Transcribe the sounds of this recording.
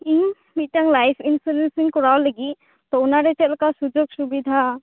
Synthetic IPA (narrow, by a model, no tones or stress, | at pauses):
ĩ | miʈəŋlajfʰinfuɾensĩŋkɔɾaoləɡi | t̪ɔʊnaɾet͡ʃelkasud͡ʒoɡsubid̪ʱa